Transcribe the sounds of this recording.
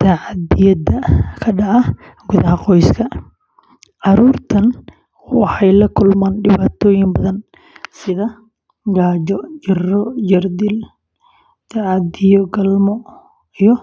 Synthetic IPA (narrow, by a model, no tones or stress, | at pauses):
t̪ʰaʕɑd̪ɪjɐd̪ɐkʰɐɖɑʕɑ | ɡʊðɐɦɐqɔjskʰɐ | ʕɑɾuːrt̪ʰɐn | wɑħɑjlɐkʰʊlmaːnɖɪβaːt̪ʰɔːjɪŋbɐðɐn | sɪðɐ | ɡaːd͡ʒɔd͡ʒɪrɔd͡ʒɐrd̪ɪl | t̪ʰaʕɑd̪ɪjɔɡɐlmɔ | ijɔ